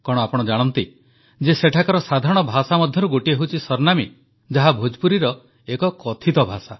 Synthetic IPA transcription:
kɔɽ̃ɔapɔɽ̃ɔd͡ʒaɽ̃ɔnt̪i | d͡ʒeseʈʰakaɾɔsad̪ʱaɾɔɽ̃ɔbʱasamɔd̪ʱjɔɾuɡoʈieɦowt͡ʃʰisɔɾnami | d͡ʒaɦabʱod͡ʒpuɾiɾɔ | ekɔkɔt̪ʰit̪ɔbʱasa

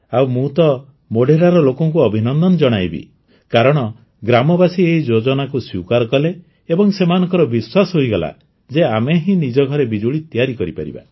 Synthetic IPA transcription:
awmũt̪ɔ | moɖeɾaɾɔlokɔŋkuɔbʱinɔnd̪ɔnɔd͡ʒɔɽ̃ajbḭ | kaɾɔɽ̃ɔ | ɡɾamɔbasieɦid͡ʒod͡ʒɔnakuswiwkaɾɔkɔleː | bɔŋsemanɔŋkɔɾɔbiswasɔɦojɡɔla̰ | d͡ʒeameɦĩnid͡ʒɔɡʱɔɾebid͡ʒuɽit̪ijaɾikɔɾipa̰ɾḭba̰

